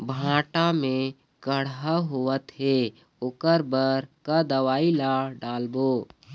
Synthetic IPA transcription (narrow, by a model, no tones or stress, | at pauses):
bʱãːʈamẽ | ɡəɽ̤aɦoət̪ɦe | okəɾbəɾkad̪əʋaːilaɖaːlboː